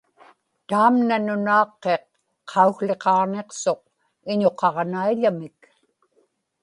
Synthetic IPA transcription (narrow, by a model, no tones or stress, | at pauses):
t̪aːmnanʊnɑːqːe̞qʰː | ɑuxle̞qɑʁne̞qso̞q̚ | ɪɲo̞qɑʁnaiʎamɪk